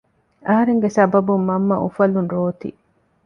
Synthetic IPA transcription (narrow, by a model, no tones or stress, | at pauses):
ʔɐɦɐɾeŋɡesɐbɐbumːɐmːɐʔufɐlunɾoːt̪ḭ